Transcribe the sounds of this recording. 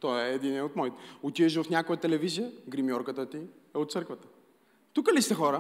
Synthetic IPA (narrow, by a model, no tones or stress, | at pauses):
t̪ɔɛːd̪inɛot̪mɔit̪ɛot̪iɛʃ̬vɐfnʲakojət̪ɛlɛvizijəɡɾimjɔɾkət̪ət̪i | ɛot̪t̪səɾkvət̪ə̥ | t̪ukəlist̪ɛxɔɾə